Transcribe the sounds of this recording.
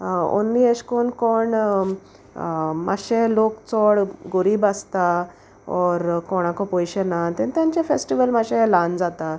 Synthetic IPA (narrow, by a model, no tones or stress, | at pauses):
o̰nːiəɕkɔɳkɔɳ | ma̰ɕẽlokt͡sɔɽɡoɾibast̪a | ɔɾkɔɽ̃ãkɔpɔjɕenat̪ent̪jãɲt͡ɕefesʈiʋəlmaɕẽland͡zat̪a